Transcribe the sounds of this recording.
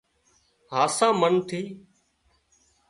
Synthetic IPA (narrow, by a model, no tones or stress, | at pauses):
ɦaːsãːmənt̪ʰiː